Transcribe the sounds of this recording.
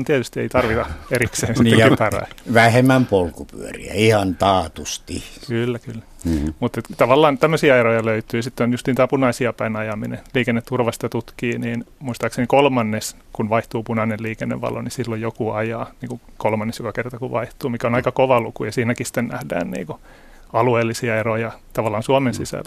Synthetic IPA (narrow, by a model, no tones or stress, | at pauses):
nt̪iɛt̪yst̪iḛit̪ɑrʋit̪ɑerikseːnsit̪ːekypæræ̰iʋæhemæmpolkupy̰ørḭæ̰ihɑnt̪ɑːt̪ust̪ḭkylːækylːæ | mut̪ːet̪t̪ɑʋɑlːɑːnt̪æmːøsiːɑerojɑløyt̪yːsit̪ːeonjust̪int̪æːpunɑisiɑpæinɑjɑmineliːkenːet̪t̪urʋɑst̪ɑt̪ut̪kiːniːnmuist̪ɑːksenikolmɑnːes | kunʋɑiht̪uːpunɑnelliːkenːḛʋʋɑ̰lo̰nisilːojjokuɑjɑːniːŋku | kolmɑnːesjokɑkert̪ɑkuʋʋɑiht̪uːmikæonɑikɑkoʋɑlukujɑsiːnækisi̥t̪ːennæhdæ̰ːnnḭːŋku | ɑlueːlːisiɑerojɑt̪ɑʋɑlːˑɑːnsuɑmensisæ̰lː